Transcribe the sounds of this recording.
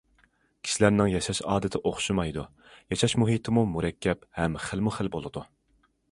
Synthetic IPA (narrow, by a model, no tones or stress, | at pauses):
kʲʰi̥ʃilæɾnɪŋjɑʃɑʃɑːd̪ɪt̪ʰɪʔoχʃumɑjd̪u | jɑʃɑʃmuɦit̪ʰɪmumuɾɛkʲʰːɛphɛmχəlmuχəlbolˠɨd̪u